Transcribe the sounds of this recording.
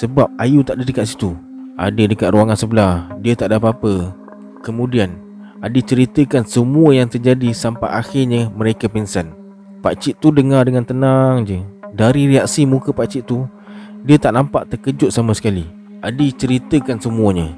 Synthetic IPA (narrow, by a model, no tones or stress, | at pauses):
səbap̚ajut̪aʔdədəkat̪ʔ̪si̥t̪ua̰dədəkat̪̚ruaŋansəbəlahdiət̪aʔdapaapə | kəmũdian | adət͡ʃəɾit̪əkansəmuəjaŋt̪ərd͡ʒadisampajʔaxɪrɲəməɾekapinsən | pa̰ʔt͡ʃɪʔt̪ːudəŋardəŋant̪ənaŋd͡ʒədaɾiɾiak̚simukəpat͡ʃɪʔt̪u | diət̪aʔnampaʔt̪əkəd͡ʒʊʔ̪̚samasə̥kali | adət͡ʃəɾit̪əkansəmũəɲə